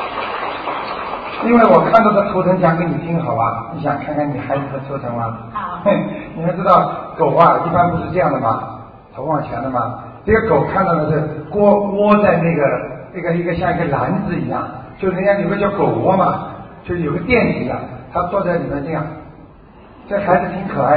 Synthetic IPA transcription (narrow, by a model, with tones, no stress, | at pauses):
i˥nwe˥˩ɪwɔ˨˩kʰa˥˧nt̪ɑ˥˧ʊt̪ʰa˥˩t̪ʰu˧˥t͡sʰɤ˧˥ŋt͡ɕjɑ˥ŋkə˥ni˨˩t̪ʰi˧˥ŋxɑ˨˩ʊɐ˧˩ni˧˥ɕ̬jɑ˨˩ŋkʰa˥˧nkʰni˨˩xa˧˥ɪno˨˩xə˧tʰɤ˧˥t͡sʰɤ˧˥ŋmɐ˧˥˩ | ni˨˩mə˧˥nʈ͡ʂɻ̩˥t̪ɑ˥˩ʊko˨˩ʊxa˥˧i˥˧pa˥npu˧˥ʂɻ̩˥˧ʈ͡ʂɤ˥˧jɑ˥˩ŋd̪ə˩mɐ̰˩ | t͡sʰo˧˥ʊwɑ˨˩ŋt͡ɕʰjɛ̰˧˥nd̪ə˧mɐ˨ | ʈ͡ʂɡə˩ko˨˩ʊkʰa˥˧nt̪ɑ˥ʊt̪ʰə˧ʂɻ̩˥˩kwɔ˥kwɔ˥t͡sa˥˧ɪna˥˩ɡə˩na˥˧˩ɡə˧i˧˥ɡə˧ɕjɑ˥˧ŋi˧˥ɡə˧˩la˧˥nd͡zɹ̩˧i˧˥jɑ̰˥˩ŋt͡ɕo˥˧ʂja˥jo˨˩ʊɡə˧t͡ɕjɑ˥˩ʊko˨˩ʊkwɔ˥mɐ˨t͡ɕo˥˧ʂ̩˧jo˨˩˦ɡə˧t̪jɛ˥˩nt͡ɕi˧˥ɐ̰˧˩t̪ʰa˥t͡swɔ˥˧t͡sa˥˩ɪli˨˩ə˧˦nʈ͡ʂɤ˥˧jɑ˥˩ŋ | ʈ͡ʂɤ˥˩ɡə˩xa˧˥ɪd͡zɹ̩˨˩t̪ʰi˧˥ŋkʰɤ˨˩a˥˩